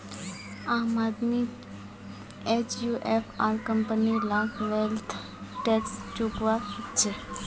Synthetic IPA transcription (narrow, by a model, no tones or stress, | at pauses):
aːmaːd̪mi | et͡ʃjuʔepʰaːɾkəmpənilakʰʋelt̪ʰ | ʈekst͡ʃukʋait͡ʃʰe